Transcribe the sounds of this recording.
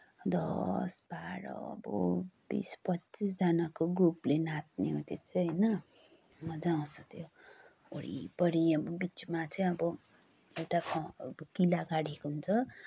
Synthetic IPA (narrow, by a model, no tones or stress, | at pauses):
d̪ʌ̰sbaɾʌ̰bʌ̰bḭspʌt͡sis̬d͡zanakoɡruplenat̪̚neɦot̪et͡sʰʌɦʌjnʌ | mʌd͡zaw̃sʌkt̪ʰjo | o̰ɽḭpʌɾiʌbʌbit͡smat͡sʌĩʌbʌ | ewʈakʰʌʌkilaɡaɽekoɦunt͡sʰʌ